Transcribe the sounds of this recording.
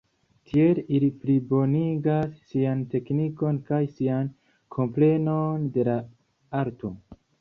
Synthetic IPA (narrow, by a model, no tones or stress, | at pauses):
tʰielilipɾibo̞niɡasːiante̞kniko̞nkajsian | kʰo̞mple̞nonde̞la | aɾto